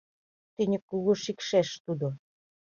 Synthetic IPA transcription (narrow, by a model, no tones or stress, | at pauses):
t̪inʲɘ̆kːuɣoʃikʃeʃt̪ud̪o